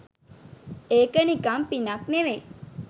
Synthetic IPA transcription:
ekənikampinakneʋe

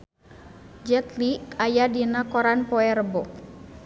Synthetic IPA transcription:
d͡ʒɛt̪likajadinakɔɾanpɔɛrbɔʔ

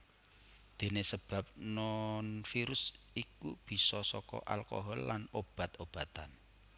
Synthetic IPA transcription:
d̪̥e̤nesəb̥a̤p̚nɔnfiɾʊs | ikub̥i̤sɔsɔkɔ̰ʔa̰lko̰ɦɔlːanob̥a̤t̪ob̥a̤t̪an

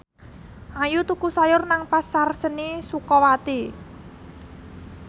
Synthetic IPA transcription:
ʔajut̪ukusajʊrnaŋpasarsənisukɔwat̪i

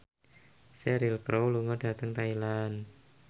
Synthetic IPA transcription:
sɛɾilkɾowluŋɔd̥ä̤t̪əŋt̪ailan

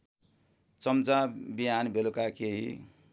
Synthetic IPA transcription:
t͡sʌmt͡sabiɦanbʱelokakeɦḭ

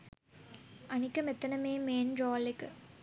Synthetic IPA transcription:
ʔɐnɪkːɐmɛt̪ːɐnɐmeːmeːnɾoːlɪkːɯ

